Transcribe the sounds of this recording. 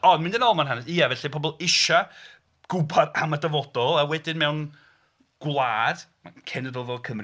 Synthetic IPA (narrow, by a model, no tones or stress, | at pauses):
ɔndmɪ̃ndənɔlˠmanɦanɛsijavɛɬipʰɔbɔlˠɪʃa | ɡ̥ʊbadamədəvɔdɔlˠawɛdɪnmɛwn | ɡ̥wlˠaːd̥makʰɛnəðɔðɔkʰəmr